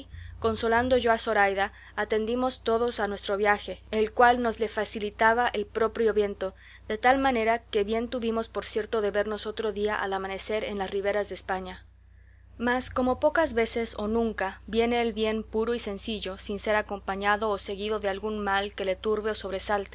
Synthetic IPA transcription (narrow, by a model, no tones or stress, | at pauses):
ko̞nso̞land̪o̞ʝo̞aso̞ɾajðaː | t̪e̞nd̪imo̞st̪o̞ðosanwe̞st̪ɾo̞βjaxe̞elkwalno̞zle̞fasilit̪aβaʔelpɾo̞pɾjo̞βje̞nt̪o̞ | ðe̞t̪almãne̞ɾake̞βje̞nt̪uβimo̞spo̞ɾsje̞ɾt̪o̞ðe̞βe̞ɾno̞so̞t̪ɾo̞ðiaʔa̰lamãne̞se̞ɾḛnlasriβe̞ɾazðeːspaɲa | masko̞mo̞po̞kazβe̞se̞so̞nũŋkabje̞ne̞ːlβje̞npuɾoise̞nsiʝo̞sinse̞ɾako̞mpaɲaðo̞ːse̞ɣiðo̞ðe̞alɣunmalke̞le̞t̪uɾβe̞oso̞βɾe̞salt̪e